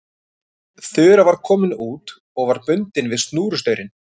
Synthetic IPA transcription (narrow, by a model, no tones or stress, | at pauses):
θʏːɾavaɾ̥kʰɔːmɪnuːt̪ | ɔɣvaɾpʏnt̪ɪnvɪðst̪nuːɾʏst̪œːɥɾɪn